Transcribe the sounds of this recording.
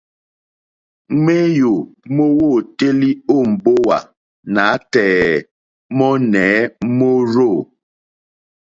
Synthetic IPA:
me˦jo˨mo˦wo˦˨te˦li˦o˦˨m̩˨bo˦wa˨ | na˨˦tɛː˨ | mɔ˦nɛ˨˦mo˦ɾo˦˨

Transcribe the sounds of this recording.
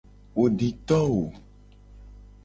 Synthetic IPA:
wo˨ɖi˨t̪ɔ˦wo˨

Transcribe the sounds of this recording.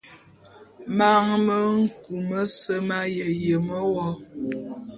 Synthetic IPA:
ma˦ŋmə˦ŋ̩˦ku˨mə˦sə˦ma˦jə˨jə˨mə˦wɔ˦

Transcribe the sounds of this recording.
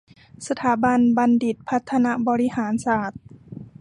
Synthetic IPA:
sa˧t̪ʰaː˩˦ba˧nba˧ndi˨˩t̪̚pʰa˦˥t̪ʰːa˧na˦˥bɔː˧ɾi˦˥haː˩˦nsaː˨˩t̪̚

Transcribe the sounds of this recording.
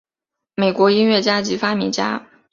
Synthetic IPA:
me˨˩ɪkwɔ˧˥i˥nɥɛ˥˩t͡ɕja˥t͡ɕi˧˥fa˥mɛ̰˧˥t͡ɕja̰˥

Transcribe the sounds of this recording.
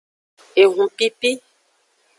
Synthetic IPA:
e˨ɣũ˨pi˦pi˦

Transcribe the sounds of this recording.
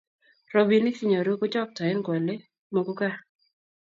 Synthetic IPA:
ro˦bi˨˦ni˦ki˦˨ɲo˨ɾu˦kʊ˦t͡ʃɔ˦k̚tɔ˨e˦nɡɔ˨le˦ | mo˨ku˦ka˦

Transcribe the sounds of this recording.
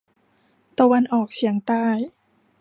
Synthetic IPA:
t̪a˧wa˧nʔɔː˨˩k̚si˩˦əŋt̪aː˧˩j

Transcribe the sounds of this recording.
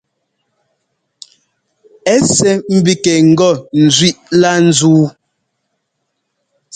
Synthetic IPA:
ɛ˦sɛ˦m̩˦˨bi˦kɛ˨ŋ̩˨ɡɔ˦˨n̩˨zɥi˦ʔla˦n̩˨˦zuː˦

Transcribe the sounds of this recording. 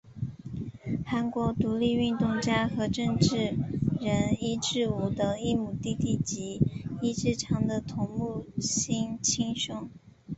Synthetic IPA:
xa˧˥nkwɔ˧˥t̪u˧˥li˥˧y˥˧nt̪ʊ˥˩ŋt͡ɕja˥xɤ˧˥ʈ͡ʂɤ˥˧ŋʈ͡ʂɻ̩˥˩ɻə˧˥ni˥ʈ͡ʂɻ̩˥˩u˧˥t̪ə˧˩i˥˩mu˨˩t̪i˥˧t̪i˥˩t͡ɕi˧˥i˥ʈ͡ʂɻ̩˥˩ʈ͡ʂʰɑ˧˥ŋd̪ə˧t̪ʰʊ˧˥ŋmu˥˩ɕi˥ŋt͡ɕʰi˥ŋɕʊ˥˩ŋ

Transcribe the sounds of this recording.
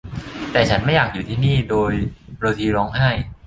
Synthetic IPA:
t̪ɛː˨˩t͡ɕʰa˦˥nma˥˩jaː˨˩k̚juː˨˩t̪ʰiː˥˩niː˥˩doː˧jɾoː˧t̪ʰiː˧ɾɔː˧ŋha˥˩j

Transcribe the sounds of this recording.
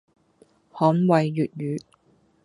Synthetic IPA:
hɔː˨˥nwɐ˨jːyː˨t̚jyː˨˥

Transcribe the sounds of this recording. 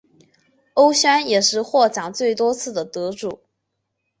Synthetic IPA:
o˥ʊɕa˥njɛ˨˩ʂɻ̩˥˧xwɔ˥˩ʈ͡ʂɑ˨˩ŋt͡swe˥˩ɪt̪wɔ˥t͡sʰɹ̩˥˩d̪ə˩t̪ɤ˧˥ʈ͡ʂṵ˨˩˦

